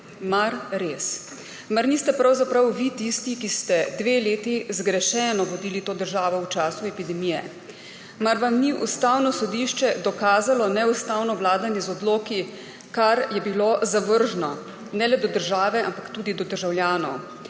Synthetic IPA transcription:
maɾɾeːs | maɾnist̪ɛpɾawzapɾawʋit̪ist̪ikist̪ɛd̪ʋeːleːt̪izɡɾɛʃɛnɔʋɔd̪iːlit̪oːd̪əɾʒaːʋɔwt͡ʃaːsuɛpid̪ɛmijɛ̰ | maɾʋamniʔṵst̪aːwnɔsɔd̪iʃt͡ʃɛd̪ɔkaːzalɔnɛust̪aːwnɔʋlaːd̪anjɛzɔd̪loːki | kaɾjɛbilozaʋəɾʒnɔ | nɛlɛd̪ɔd̪əɾʒaːʋɛampakt̪uːd̪id̪ɔd̪əɾʒawljaːnɔw

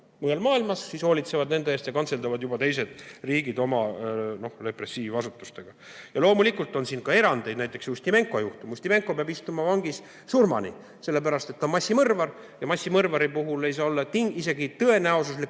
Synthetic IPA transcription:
mɤelmɑːilmɑsːiːsho̞ːlʲit̪se̞vɑd̪ne̞nd̪eeːst̪jɑkɑnt̪se̞ld̪ɑvɑd̪jubɑt̪e̞js̬e̞d̪̥riːɡid̪o̞mɑno̞hle̞pre̞sːiːvɑsut̪ːˑu̥st̪e̞ɡ̥ɑ | jɑlo̞ːmulikːˑult̪ːˑo̞nsiːnkɑe̞ɾɑnd̪e̞jd̪næjt̪ːˑe̞ksusʲt̪ime̞ŋkˑo̞juht̪umusʲt̪ʲime̞ŋkˑo̞peɑbist̪umɑvɑŋɡis | surmɑ̰nḭ | se̞lːe̞pæɾɑst̪e̞t̪ːonmɑsʲːimɤrvɑr | jɑmɑsʲːimɤrvɑɾipuɦulejsɑːolːɑt̪iŋise̞ɡit̪ɤ̞e̞næosus̬lik

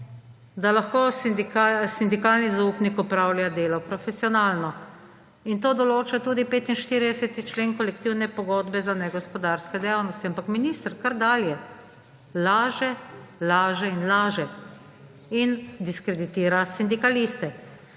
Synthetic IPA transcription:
d̪alaxkoːsd̪ikasind̪ikaːlnizauːpnikɔpɾawlʲjad̪eːlɔpɾɔfɛsiɔnaːlnɔ | int̪oːd̪ɔloːt͡ʃat̪uːd̪ipeːt̪inʃt̪iːɾid̪ɛsɛt̪it͡ʃleːŋkɔlɛkt̪iwnɛpɔɡɔːd̪bɛzanɛɡɔspɔd̪aːɾskɛd̪ɛjaːwnɔst̪iampakminist̪ɾkaɾd̪aːljɛ | laːʒɛlaːʒɛinlaːʒɛ | ind̪iskɾɛd̪it̪iːɾasind̪ikalist̪ɛ

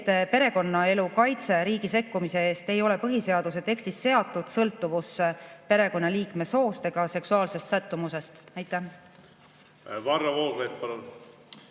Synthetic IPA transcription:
t̪ːpe̞ɾe̞ko̞nːɑe̞lukɑjt̪se̞ɾiːɡise̞kːumise̞e̞ːst̪e̞jo̞le̞pɤɦise̞ɑd̪̥use̞t̪e̞kst̪isːe̞ɑt̪ˑːud̪̥sɤlt̪ːˑuvuspe̞ɾe̞ko̞nːɑliːkme̞so̞ːst̪e̞ɡ̥ɑse̞ksuɑːlse̞st̪sæt̪ːumuse̞st̪æjt̪ːˑæ | vɑrːɑvoːɾlet̪̚pɑɾun

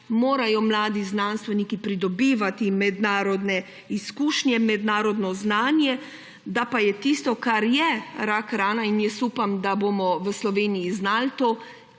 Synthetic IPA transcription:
moːɾajɔmlaːd̪iznanst̪ʋɛnikipɾid̪ɔbiːʋat̪imɛd̪naːɾɔd̪nɛ | iskuːʃnjɛmɛd̪naːɾɔd̪nɔznaːnjɛ | d̪apajɛt̪ist̪ɔkaɾjɛɾakɾaːnainjɛsuːpamd̪aboːmɔʋəslɔʋeːnijiznaːlt̪oː

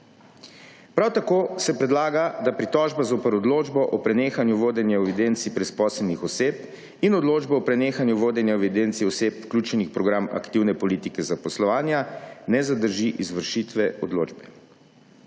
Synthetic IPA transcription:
pɾawt̪akoːsɛpɾɛd̪laːɡad̪apɾit̪ɔʒbazoːpəɾɔd̪loːd͡ʒbɔʔɔpɾɛneːxanjuʋoːd̪ɛnjaɛʋid̪ent̪sipɾɛspɔːsɛlnixɔseːp | inɔd̪loːd͡ʒbɔɔpɾɛneːxanjuʋoːd̪ɛnjaɛʋid̪ent̪siɔsepwklʲjuːt͡ʃɛnixpɾɔɡɾama̰kt̪iwnɛpɔliːt̪ikɛzapɔslɔʋaːnjanɛzad̪əɾʒiʔizʋəɾʃit̪ʋɛɔd̪lo̰ːd͡ʒbɛ

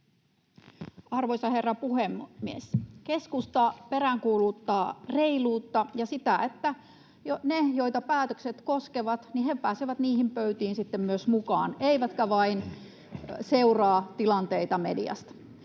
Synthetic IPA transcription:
ɑrʋojsɑhe̞rːɑpuhemːieske̞skust̪ɑpeɾæŋkuːluːt̪ːɑːre̞iluːt̪ːɑjɑsit̪æet̪ːæ | jonejoit̪ɑpæːt̪økset̪koskeʋɑt̪nihepæːseʋæt̪niːhimpøyt̪iːnsit̪ːemmyøsmukɑ̰ːneiʋæt̪kæʋɑin | seurɑːt̪ilɑnt̪eit̪ɑmḛdḭɑ̰st̪

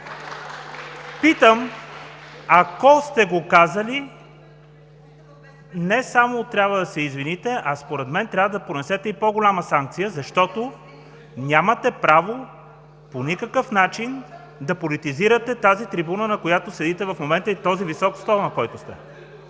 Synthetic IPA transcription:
pit̪əm | akɔst̪ɛɡokazəli | nɛsamot̪ɾʲabvəd̪ɐsɛizvinit̪ɛʔɐspoɾɛd̪mɛnt̪ɾʲabvəd̪ɐponɛsɛt̪ɛipɔɡolʲaməsaŋk̚t̪sijəzɐʃt̪ɔt̪o | nʲamɐt̪ɛpɾavo | ponʲikəkəfnat͡ʃin | d̪ɐpolit̪iziɾɐt̪ɛt̪azit̪ɾibunənɐkojat̪osɛd̪it̪ɛvɐfmomɛnt̪əit̪ɔzivisɔkst̪ɔlˠnɐkɔjt̪ʊst̪ɛ̰

